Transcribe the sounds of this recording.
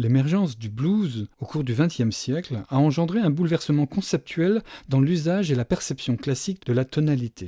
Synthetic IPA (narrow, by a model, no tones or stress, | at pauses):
lemɛʁʒɑ̃sd̪ybluzokuʁd̪yvɛ̃t̪jɛmsjɛklaɑ̃ʒɑ̃d̪ʁeɛ̃bulvɛʁsəmɑ̃kɔ̃sɛp̚t̪ʰɥɛld̪ɑ̃lyzaʒelapɛʁsɛpsjɔ̃klasik̚d̪əlat̪ɔnalit̪ʰe